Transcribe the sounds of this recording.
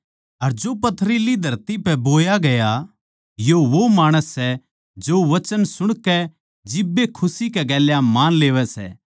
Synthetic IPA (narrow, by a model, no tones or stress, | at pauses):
ɐɾd͡ʒopɐt̪ʰɾilid̪ʱɐɾt̪ipɛboːjaɡɐja | joʋomaːɽ̃əsːɛ | d͡ʒoʋɐt͡ʃənsʊɽ̃kɛ | d͡ʒɪbːekʰʊsikɛɡɛːljamaːnleːʋɛsɛ̰ː